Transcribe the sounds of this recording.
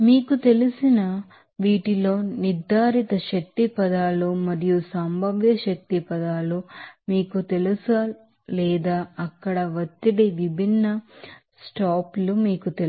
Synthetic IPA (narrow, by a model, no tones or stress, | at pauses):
miːkut̪e̞lusinɐ | ʋiːʈilo̞ːniɾd̪ʱːaːɾit̪ɐʃɐk̚t̪ipɐd̪aːlumɐɾijusɐmbʱɐʋjɐʃɐk̚t̪ipɐd̪aːlumiːkut̪e̞lusa | lɛːd̪aːɐkːɐɽɐʋɐt̪ːiɽiʋibʱinːɐ | sʈaːplumiːkut̪el